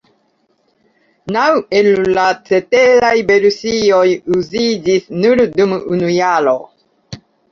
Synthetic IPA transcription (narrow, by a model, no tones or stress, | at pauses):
nawelːat͡seteɾajbeɾusiojuzid͡ʒisnuɾdumunujaɾo